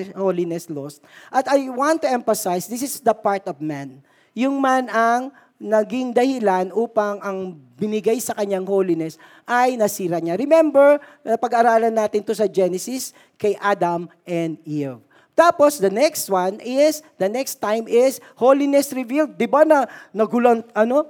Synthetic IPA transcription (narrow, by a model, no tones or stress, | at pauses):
hoːlɪnɛslost̪̚ʔɐt̪ɐjwãnt̪ːuʔɛmfɐsajsd̪ɪsɪsd̪ɐpaɹt̪ɔvmãn | jʊŋmanɐŋ | nɐɡɪŋd̪ɐhɪlanʔuːpɐŋɐŋbɪnɪɡajsɐkɐɲaŋholɪnɛs | ʔɐjnɐsiːɾɐɲaɾɪmɛmbɛɹ | ɐpɐɡaʔːɾaːlɐnːaːt̪ɪnt̪osɐd͡ʒɛnɛsɪs | kɐjʔad̪ɐmʔɛnd̪iv | t̪aːpo̞sd̪ɐnɛkst̪̚wanɪsd̪ɐnɛkst̪ːãjmɪs | holɪnɛsɾɪvild̪̚ːɪbanɐnɐɡʊlonɐno̞